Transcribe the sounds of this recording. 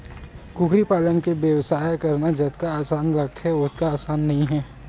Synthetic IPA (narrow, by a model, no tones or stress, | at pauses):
kuːkɾipaːlənkebjəwsaːjkɐɾnad͡ʒɐt̪kaaːsaːnlɐɡ̚t̪ɦɛʊt̪̚kaaːsaːnːɐɦĩɦɛː